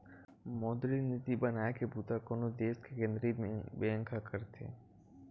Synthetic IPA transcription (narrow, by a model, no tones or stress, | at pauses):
mɔːd̪ɾinɪt̪ibənaːekebuːt̪akoːnod̪eːskekẽnd̪ɾibeə̃ŋkʰakəɾt̪ʰḛː